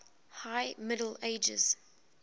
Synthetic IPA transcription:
haɪmɪɾəl̩eɪd͡ʒɪ̰z̥

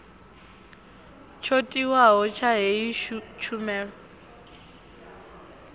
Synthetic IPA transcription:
t͡ʃʰotʼiwaɦɔt͡ʃʰaɦet͡ʃʰumɛːɺɔ

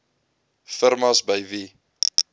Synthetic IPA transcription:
fəɾmɐsbəjvi

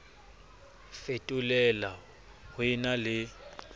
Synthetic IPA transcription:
fetʼulɛla | hwɪnalɪ

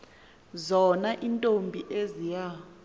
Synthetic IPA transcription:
zɔnaʔintʼombʱiʔezija

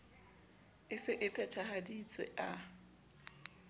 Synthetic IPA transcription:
ɪsɪʔɪpʰɛt͡ʃʰahadit͡sʼwɛ̰ʔa

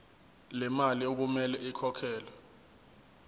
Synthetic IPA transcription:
lɛmaliok̬umɛlɛʔikʰɔkʰɛːlɛ

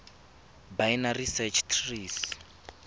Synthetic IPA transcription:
bajnarisɛt͡ʃʰtʰriːs

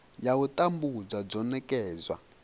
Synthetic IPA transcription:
jautʼambud͡zad͡zɔnɛkʼɛːzwa̰

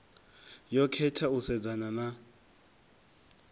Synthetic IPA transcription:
jɔkʰɛtʰausɛd͡zanana

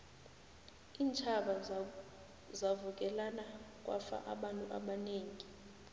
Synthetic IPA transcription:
iːnt͡ʃʰʼaɓa | zavuk̬ʼɛlanak̬ʼwa̰fa̰ʔaɓantʼuʔa̰ɓaneːŋi

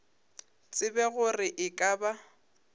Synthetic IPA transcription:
t͡sʼɪbɛɣʊrɪʔɪkʼaːba

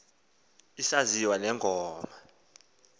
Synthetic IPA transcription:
isaziwanɛŋʱɔːma

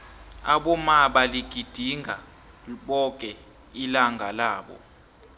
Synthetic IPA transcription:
aɓɔmaɓaliɡ̥ʱid̥ʱiŋɡʱa | ɓɔkʼɛ | ilaŋɡʱalaːɓɔ̰

